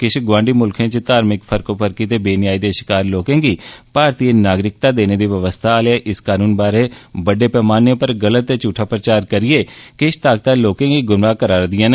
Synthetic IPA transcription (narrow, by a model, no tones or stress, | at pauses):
kɪʃɡʋãːɳɖiːmʊlkʰẽːt͡ʃt̪aːɾmɪkpʰəɾkoːpʰəɾkiːt̪eːbeːnɪjaːiːd̪eːʃɪ̥kaːɾloːkẽːɡiːpaːɾt̪ienaːɡɾɪk̚t̪aːd̪eːneːd̪iːʋəʋəst̪ʰaːleaʔɪskaːnuːnbaːɾeːbəɖeːpɛːmaːnẽːpəɾɡələt̪ːeːt͡ʃuːʈʰːaːpɾət͡ʃaːɾkəɾɪeːkɪʃt̪aːɡ̚t̪aːloːkẽːɡiːɡʊnʋaːkəɾaːɾd̪ɪjãːne